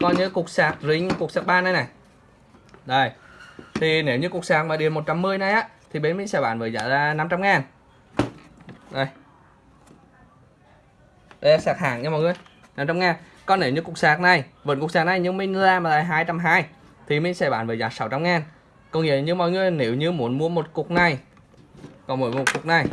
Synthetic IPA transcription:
kɔ˨˧˦ɲɨ̰˧˦kʊ˨˩k̚saː˨˩t̚zi˧˦ŋ˧ku˨˩ək̚saː˨˩k̚ɓaː˧na˧jna˨˩j | zo˨˩jt̪ʰi˨˩ne˨˩˦wɲɨ˧kʊ˨˩k̚saː˨˩k̚maː˨˩ɗi˨˩ənmo˨˩t̚t͡ɕa˧mːɨ˧əjna˨˩jʔaː˧˦˥ | t̪ʰi˨˩ɓe˨˦nmi̟˧˦sɛ˧˩ɓa̰ː˧˩nvəː˨˩zaː˧˨˩aː˧na˧mt͡ɕa˧mŋaː˨˩n | zo˨˩j | ɗe˧a˧˩saː˨˩k̚ha̰ː˧˩˨ŋɲɨ˧mɔ̰˧˨jŋɨ˧əj | na˧mt͡ɕa˧mŋaː˨˩n | kɔ˨˦ne˨˧˩wɲɨ˧kʊ˨˩k̚saː˨˩k̚na˨˩jvə̰˨˧˥nkk̚saː˨˩na˨˩jɲɨ˧ŋmï˧ŋ̟ŋɨ˧əzaː˧maː˨˩laː˧˨˩ɦaː˧jt͡ɕa˧mɦaː˧j | t̪ʰi˨˩mi˧˦ŋ̟sɛ˧˩ɓa̰ː˧˨nvəː˨˩jzaː˨˩jsa˧˦˩wt͡ɕa˧mŋaː˨˩n | kɔ˧wŋ͡mŋḭ˧˨əɲɨ˧mɔ̰˧˨jŋɨ˨˧˩əjne˧˦wɲɨ˧mu˧˦ənmu˧˥əmo˨˩t̚kʊ˨˩k̚na˨˩j | kɔ˨˩nmṵ˧˦j̚kʊ˨˩k̚na˨˩j

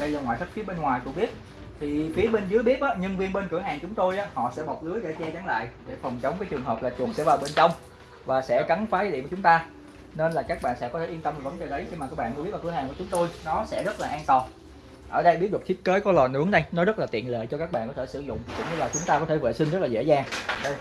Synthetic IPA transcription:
ɗə˧jlaː˨˩ŋa̰ː˧˨jsə˦˥t̚fi˨˦əɓe˧nŋwaː˨˩jkʊ̰˧˥ɓi˦˥ət̚ | t̪ʰi˨˩fi˨˦əɓe˧nzɨ˨˦jɓi˦˥ət̚ʔaː˨˦ɲə˧nvi˧ənɓe˧nkɨ˧˩əɦaː˨˩ŋt͡ɕʊ˨˦ŋ͡mt̪o˧jʔaː˨˥hɔ̰˧˨sɛ̰˧˥ɓɔ˨˩t̚ʔɨ˨˦əjɗe˧˩t͡ɕɛ˧t͡ɕa˨˦ŋla̰ː˧˨jʔɗe˧˩fə˨˩wŋ͡mt͡ɕə˨˦wŋ͡mvaː˨˦jt͡ɕɨ˨˩əŋɦəː˨˩p̚laː˨˩t͡ɕənsɛ̰˧˥vaː˨˩wɓe˧nt͡ɕə˧wŋ͡m | vaː˨˩sɛ̰˧˥ka˨˦ŋfaː˨˦zəː˨˦ɗi˧˨kːt͡ɕʊ˨˦ŋ͡mt̪aː˧ | ne˧nlaː˨˩kaː˦˥k̚ɓa̰ː˧˨nsɛ̰˧˥kɔ˨˦t̪e˧˩ʔi˧ət̪wŋ͡mvi˨˩və̰˧˦nt͡ɕəː˨˩ɗə˨˦jxi˧maː˨˩kaː˦˥k̚ɓ̰ːnːkːi˦˥t̚aː˨˩khaː˨˩ŋkːt͡ɕʊ˨˦ŋ͡mt̪o˧jnɔ˨˦sɛ̰˧˥zə˦˥t̚laː˨˩ʔaː˧nt̪ɔ˨˩ | ʔəː˧˩ɗə˧jɓi˦˥t̚ɗɨ˨˩ət̪ʰi˦˥t̚ke˨˦kɔ˨˦lɔ˨˩nɨ̰˧˥əŋɗa˧jnɔ˨˦zə˦˥t̚laː˨˩t̪ḭ˧˨ənlḛ˧˨jt͡ɕɔ˧kaː˦˥k̚ɓa̰ː˧˨kɔ˨˦t̪ʰsɨ˧˩zʊ̰˧˨ŋ͡mkʊ̰˧˥ŋ͡mɲɨ˧laː˨˩t͡ɕʊ˨˦ŋ͡mt̪aː˧kɔ˨˦e˧˩vḛ˧˨˩sï˧ŋ̟zə˦˥laː˨˩ḛ˧˥zaː˧˩ŋ˨ɗə˧j

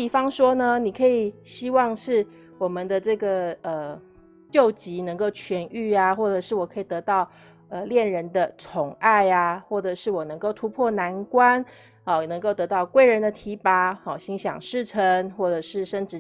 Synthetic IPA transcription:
i˨˩fɑ˥ŋʂwɔ˥nə˧ni˨˩kʰɤ˧˥i˨˩ɕi˥wɑ˥˧ŋʂɻ̩˥˩ | wɔ˨˩mə˦nd̪ə˧ʈ͡ʂɤ˥˩ɡə˩ə˩ | t͡ɕjo˥˩ʊt͡ɕi˧˥nɤ˧˥ŋko˥˩ʊt͡ɕʰɥɛ˧˥ny˥˩a˨xwɔ˥˩ʈ͡ʂɤ˨˩ʂɻ̩˥˩wɔ˨˩kʰɤ˧˥i˨˩t̪ɤ˧˥t̪ɑ˥˩ʊ | ə˧ljɛ˥˩nɻə˧˦nd̪ə˧t͡sʰʊ˨˧˥ŋa˥˩ɪa˩xwɔ˥˩ʈ͡ʂɤ˨˩ʂɻ̩˥˩wɔ˨˩nɤ˧˥ŋko˥˩ʊt̪ʰu˧˥pʰwɔ˥˩na˧˥nkwa˦n | ɔ˩nə˧˥ŋko˥˩ʊt̪ɤ˧˥t̪ɑ˥˩ʊkwe˥˩ɪɻə˧˥nd̪ə˧t̪ʰi˧˥pa˧˥ɔ˨˩ɕi˧˥ŋɕjɑ̰˨˩ŋʂɻ̩˥˩ʈ͡ʂʰə˧˦ŋxwɔ˥˩ʈ͡ʂɤ˨˩ʂɻ̩˥˩ʂə˥nʈ͡ʂɻ̩˧

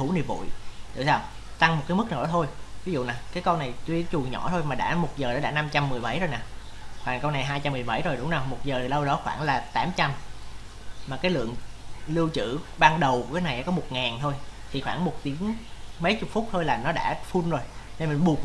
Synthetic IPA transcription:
u˧˩˦nḭ˧˩vṵ˧˨jt̪ɨ̰˧˨saː˧w | t̪a˧ŋm˨˩t̚kaː˨˦jmɨ˦˥k̚naː˨˩ɗɔ˨˦t̪ʰo˧jvi˨˦zṵ˧˨naː˨˩kaː˨˦jkə˧wna˨˩jt̪wi˧˦t͡ɕu˨˩əŋɲɔ̰˧˩˥t̪ʰo˧jmaː˨˩ɗa̰ː˧˥mo˨˩t̚zəː˨˩ɗɔ˨˦ɗa̰ː˧˥na˧mt͡ɕa˧mːɨ˨˩əjɓa̰˧˩jzo˧jnaː˨˩ | xwaː˧˩ŋkə˧wna˨˩jɦaː˧jt͡ɕa˧mː˨˩əjɓə̰˧˩jzo˨˩jɗʊ˨˦ŋ͡mnaː˨˩wmo˨˩t̚zəː˨˩t̪ʰi˨˩lə˧wɗɔ˨˦xwaː˧˩ŋlaː˨˩t̪aː˨˦mt͡ɕa˧m | maː˨˩kaː˨˦jlɨ̰˧˨əŋlɨ˧wt͡ɕɨ̰˧˥ɓaː˧ŋɗə˨˩wku˧˩kaː˨˦jna˨˩jʔɛ̰ː˧˦kɔ˨˦mo˨˩t̚ŋaː˨˩nt̪ʰo˧jt̪ʰi˨˩xwaː˧˩ŋmo˨˩t̚t̪i˨˦ənmə˨˦jt͡ɕʊ˨˩k͡p̚fʊ˦˥t̚t̪ʰo˧jlaː˨˩nɔ˨˦ɗa̰ː˧˥fu˧nzo˨˩jne˧nm˨˩nɓu˨˩ək̚

